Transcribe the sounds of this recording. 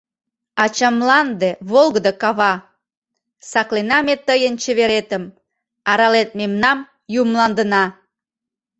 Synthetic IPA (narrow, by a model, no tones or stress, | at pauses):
ɑt͡ɕɑmlɑnd̪eβolˠɣəd̪əkɑβɑ | sɑklenɑmet̪əjənt͡ɕəβeɾet̪əm | ɑɾɑlet̪̚memnɑm | jumlɑnd̪ənɑ